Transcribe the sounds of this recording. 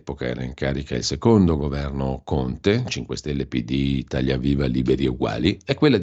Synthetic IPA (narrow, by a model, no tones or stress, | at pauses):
pokaɛ̰ːɾaiŋkaːɾikailsekond̪oɡovɛrnokont̪et͡ʃiŋkwest̪elːepid̪it̪aʎjːaviːvaliːbeɾieuɡwa̰ːliɛkːwelːa